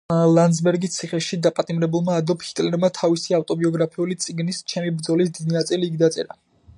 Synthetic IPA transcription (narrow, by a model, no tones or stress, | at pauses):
lˠand̪zbɛɾɡit̪sʰiχɛʃid̪apʼat̪ʼimɾɛbulˠmaːd̪ɔphit̪ʼlɛɾmat̪ʰavisiaft̪ʼɔbiɔɡɾapʰiulit̪sʼiɡnist͡ʃʰɛmibɾd̪zɔlisd̪id̪inat̪sʼiliːɡd̪at̪sʼɛ̰ɾa